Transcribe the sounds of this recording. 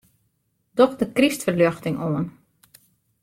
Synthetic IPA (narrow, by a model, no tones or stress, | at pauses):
d̥ɔxdəkristfərløxtɪŋoən